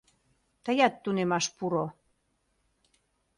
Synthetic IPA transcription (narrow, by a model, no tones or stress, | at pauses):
t̪əjɑt̪ːunemɑʃpuɾo